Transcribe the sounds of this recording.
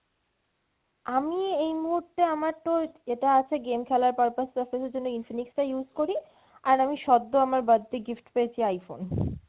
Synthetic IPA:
amiejmuɦuɾt̪eamaɾʈoeʈaat͡ɕʰeɡemkʰɛlaɾpaɾpassaɾfeseɾd͡ʑonːoinfiniksʈajuzkoɾi | aɾamiʃɔd̪ːoamaɾbad̪ːeɡifʈpeet͡ɕʰiajfo̰n

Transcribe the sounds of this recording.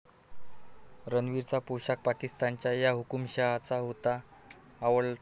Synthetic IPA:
ɾənʋiɾt͡sapuɕak̚pakist̪ant͡ɕjajaɦukumɕəɦat͡saɦot̪aː | ʋəɭ

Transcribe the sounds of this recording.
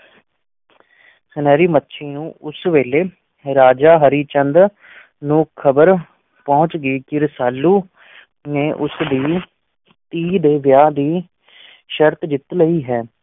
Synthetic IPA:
sənɛːɾiːmətːʃʰeːnũːʊsʋeːleː | ɾaːd͡ʒaːɦəɾiːt͡ʃənd̪ | nũːkʰəbəɾ | pɔːʊt͡ʃɡəːkɪɾsaːlːuː | nẽːʔʊsd̪iː | t̪iːd̪eːʋjaːd̪iː | ʃəɾt̪d͡ʒɪt̪ləiːɦɛː

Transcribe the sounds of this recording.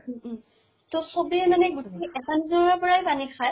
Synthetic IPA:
tosobiɛmanɛɡutʰiʔɛtanizɔɔpɔɹajbanikʰaj

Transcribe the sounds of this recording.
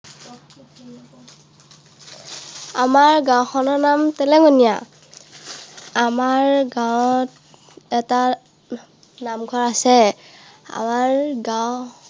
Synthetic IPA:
amaɹɡãwxʰɔnɔɹnamtɛlɛɡɔnija̰ | amaɹɡãwɔt | ɛta | namɡʱɔɹasɛ | a̰maɹɡãw

